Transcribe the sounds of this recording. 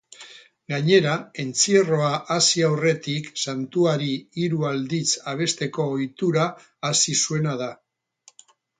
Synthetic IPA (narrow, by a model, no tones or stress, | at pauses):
ɡaɲe̞ɾae̞nt͡siero̞aʔasiawre̞t̪iksant̪uaɾiːɾuald̪it͡saβ̞e̞st̪e̞ko̞ːjt̪uɾaː | sisue̞naða